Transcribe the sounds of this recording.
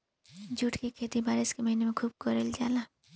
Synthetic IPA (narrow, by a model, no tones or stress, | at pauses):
d͡ʒuːʈʰkekʰeːt̪ibʱaːɾɪskemɐɦiːnemẽkʰuːb̚kɔɾeld͡ʒa̰ːla